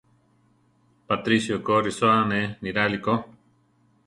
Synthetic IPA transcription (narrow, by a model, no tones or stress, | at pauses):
pat̪ɾisjokoɾisoaneniɾaliko